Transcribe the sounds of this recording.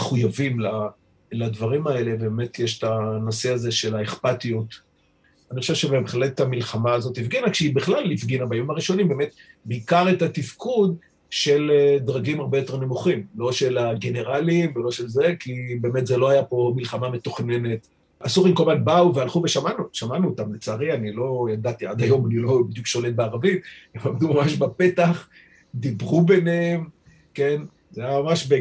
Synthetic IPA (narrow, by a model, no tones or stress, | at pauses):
eχujavimla | ladvaʁimae̞le̞beme̞tʰjeʃe̥tano̞se̞azeʃe̞laeχpatijut | anixχoʃeʃebebeχlettamilχamaːzo̞tifɡinakʃeibeχlalifɡinabajomaʁiʃo̞nimbemet̚beikaʁetatifkud̪ | ʃe̞ledʁaɡimaʁbejo̞te̞ʁne̞muχimlo̞ʃe̞laɡe̞ne̞ʁalimvelo̞ʃe̞lze̞kibe̞ːme̞t̪zelo̞ajapo̞milχamame̞t̪oχne̞ne̞t̪ | asuʁimkomatbauvealχuve̞ʃamanuʃamanuot̪amlet͡saːʁianilo̞jadat̪iad̪ajo̞manilo̞bid̪jukʃo̞le̞t̚beaʁavitemamd̪umamaʃbape̞t̪aχ | d̪ibʁube̞neem | ke̞n | zaajamamaʃbe